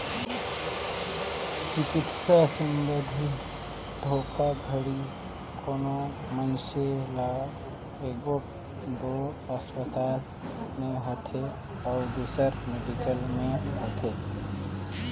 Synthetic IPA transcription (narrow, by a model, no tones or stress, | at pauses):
t͡ʃɪkit̪ʰsesindəd̪ʱi | d̪ʱoːkʰaɡʱəɽi | kʰono | mənsela | eɡoʈ | d̪o | əspət̪aːl | meɦot̪ʰe | ɔʊd̪usəɾmeɖikəlmẽɦot̪ʰe